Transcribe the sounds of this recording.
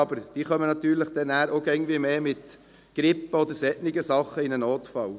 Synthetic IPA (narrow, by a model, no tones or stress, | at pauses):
ɑbəɾd̥iːχœmənɑt̪yːɾləχd̥̪ɛnæːɾokɛŋndvimeːmɪt̪ | ɡ̥ɾɪpːəod̪əɾsɛtnɪɡəsɑχəɪnənoːt̪fɑl